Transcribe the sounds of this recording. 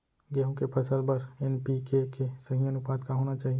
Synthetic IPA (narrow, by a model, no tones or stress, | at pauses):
ɡeːɦõkepʰəsəɾbəɾɛnpikekesəɦijənʊpaːd̪kaɦoːnat͡ʃaːɦi